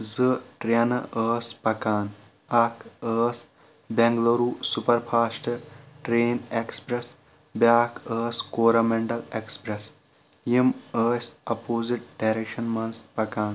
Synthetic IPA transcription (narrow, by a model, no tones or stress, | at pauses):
zɨʈɾɐnɐʔəːspɐkaːn | ɐkəːs | bẽŋɡloɾuːsupɐɾpʰaːsʈɐʈɾeːnekspɾes | bʲaːkəːskoːɾɐmeɳʈɐlekspɾes | jiməːsɐpoːziʈ̚ɖajɾekʃɐnmɐnspɐkaːn